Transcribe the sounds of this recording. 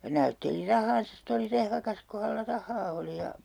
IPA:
j̆ɑ̆ næytːeli rɑhˑɑːnsɑ ste oli rehʋɑkɑs ku hælːæ rɑhˑɑː oli jɑ

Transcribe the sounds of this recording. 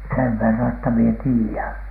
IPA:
seʋ ʋerːɑn etːæ mie tiːæn

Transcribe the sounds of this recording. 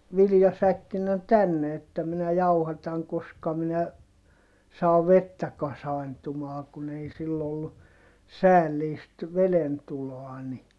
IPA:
ʋiljɑsækːinːe tænːe etːæ minæ jɑuhɑtɑŋ koskɑ minæ sɑː ʋetːæ kɑsɑi̯ntumɑː kun ei silː olːu sæːlːiːst ʋelentuloɑ ni

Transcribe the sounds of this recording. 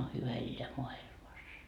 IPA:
o hyʋæ elːeæ moɑilmɑs

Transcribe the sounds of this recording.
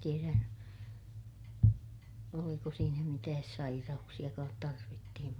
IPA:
tieræ oliko siːnæ mitæːs sɑirɑuksij̆ɑkɑːt tɑrʋitːihim

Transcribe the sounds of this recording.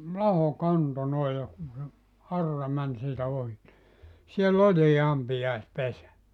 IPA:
lɑho kɑnto noi jɑ kun̞ se ɑrːɑ mæn siːtæ ohi ni sielː olʲiː ɑmpijɑespesæ

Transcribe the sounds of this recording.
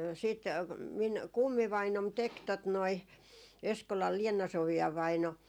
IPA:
siːt miŋ kumːiʋɑinom tek tot noi eskolɑl lienɑ soʋiɑ ʋɑino

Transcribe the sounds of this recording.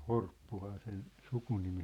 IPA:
horpːuhɑː sen sukunimi

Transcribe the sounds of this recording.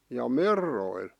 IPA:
jɑ merːoil

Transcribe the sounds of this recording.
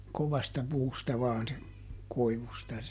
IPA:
koʋɑstɑ puːstɑ ʋɑːn se koiʋustɑ

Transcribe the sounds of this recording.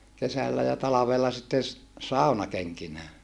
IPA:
kesælːæ jɑ tɑlɑʋelːɑ sitːen̞ s sɑˑunɑkeŋkinæː

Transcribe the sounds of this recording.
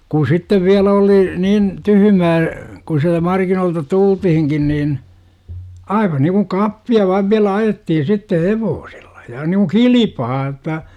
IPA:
kuː sitːeʋ ʋiælæ oli niːn tyhymæː ku siæltæ mɑrkinoːltɑ tultihiŋkin niːn ɑiʋɑ niːkuŋ kɑpːiɑ ʋɑiʋ ʋiælæ ɑjetːihin sitːeh heʋoːse̥l̥ːɑ̥ j̊ɑ̥ niku kilipɑː jə̆tːɑ

